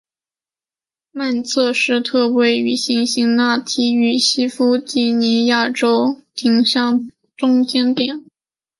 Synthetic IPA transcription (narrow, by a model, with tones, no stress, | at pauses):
ma˥˧nt͡sʰɤ˥˧ʂɻ̩˥˧t̪ʰɤ˥˧we˧˥ɪy˨˩ɕi˧˥ŋɕi˧˥ŋna˥˩t̪ʰi˥y˨˩ɕi˥fu˥t͡ɕi˧˥˩ni˧˥ja˥˩ʈ͡ʂo˥ʊt̪ʰi˧˥ŋɕjɑ˥˩ŋ | ʈ͡ʂʊ˥ŋt͡ɕjɛ˥nt̪jɛ˨˩˦n